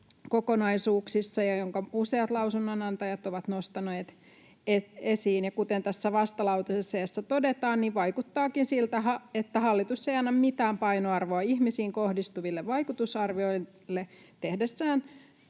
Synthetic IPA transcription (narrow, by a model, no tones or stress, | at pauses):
kokonɑisuːksisːɑjɑjoŋkɑuseɑt̪lɑusunːonɑnt̪ɑjɑt̪oʋɑt̪nost̪ɑneːt̪ | eesiːnjɑkut̪ent̪æsːæʋɑst̪ɑlɑuwt̪ɑseseːsːæt̪odet̪ɑːnniʋʋɑikut̪ːɑːkinsilt̪æɦɑet̪ːæhɑlːit̪usːeiɑnːɑmmit̪æːmpɑinoɑrʋoɑihmisiːŋkohdist̪uʋilːeʋʋɑikut̪usɑrʋioi | lːe | t̪ehdesːæːn